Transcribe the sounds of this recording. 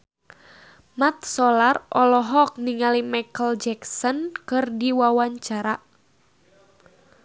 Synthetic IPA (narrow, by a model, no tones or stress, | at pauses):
mat̪̚sɔlarʔɔlɔɦɔk̚niŋalimajkəld͡ʒɛksɔnkɨrdiwawaɲt͡ʃaɾa